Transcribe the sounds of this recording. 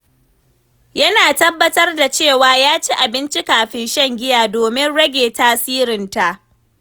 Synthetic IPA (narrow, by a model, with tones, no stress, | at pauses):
jɐ˦naː˨tɐ˦bːɐ˦tɐ˦rda˨t͡ʃeː˦˨waː˨jaː˦t͡ʃi˦ʔa˨bɪ˦nt͡ʃi˦kaː˨ɸɪ˦nʃɛ˦˨ŋɡʲɪ˦jaː˨doː˨mɪ˦nɽɐ˦ɡʲeː˨taː˦siː˦ɾɪ˨nta˨ʔ